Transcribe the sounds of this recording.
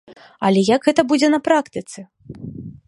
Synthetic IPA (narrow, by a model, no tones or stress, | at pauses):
ɐlʲɛjaɡɣɛt̪ɐbud͡zʲɛnɐpɾakt̪ɨt̪sɛ